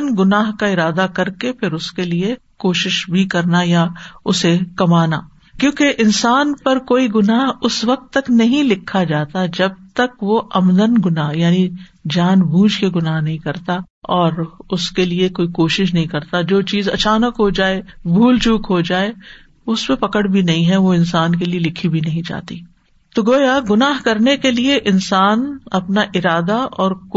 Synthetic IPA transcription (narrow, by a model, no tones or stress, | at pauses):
nɡʊnaːɦkaɪɾaːd̪akɐɾkepʰɪɾʊskeliekoːʃɪʃbʱikɐɾnajaʊsekɐmaːna̰ː | kjõːkeʔɪnsaːnpɐɾkoːiɡʊnaːɦʊsʋɐq̚t̪ːɐknɐɦĩlɪkʰːad͡ʒaːt̪ad͡ʒɐb̚t̪ɐkʋoʔɐmd̪ənɡʊnaːɦjaːnid͡ʒaːnbʱuːd͡ʒʱkeɡʊnaːɦnɐɦĩkɐɾt̪a | ɔːɾʊskeliekoːikoːʃɪʃ̬nɐɦĩkɐɾt̪ad͡ʒoːt͡ʃiːzɐt͡ʃaːnəkɦod͡ʒaːebʱuːlt͡ʃuːkɦod͡ʒaːe | ʊspẽpɐkəɽbʱinɐɦĩɦɛʋoɪ̃nsaːnkelielɪkʰːibʱinɐɦĩd͡ʒa̰ːt̪iː | t̪oɡoːjaɡʊnaːɦkɐɾnekelieʔɪnsaːnɐpnaʔɪɾaːd̪aɔːɾk